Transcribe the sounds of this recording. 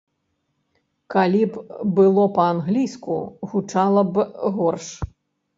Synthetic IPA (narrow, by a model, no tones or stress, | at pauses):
kalʲibbɨlˠɔpɐanɣlʲijskṵɣut͡ʂalˠɐbɣɔrʂ